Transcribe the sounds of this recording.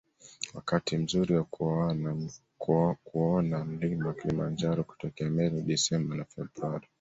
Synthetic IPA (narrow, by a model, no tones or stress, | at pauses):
wakatʰim̩zuɾiwak | kuɔnam̩limbɔwakilimand͡ʒaɾɔku̥tɔkɛamɛɾiɗisɛmbanafɛbɾuaɾi